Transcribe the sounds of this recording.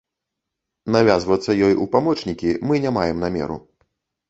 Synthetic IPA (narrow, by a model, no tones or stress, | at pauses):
navʲazvɐt̪sːɐjɔjupamɔt͡ʂnʲikʲimɨnʲamajɛmnamʲɛ̰ɾṵ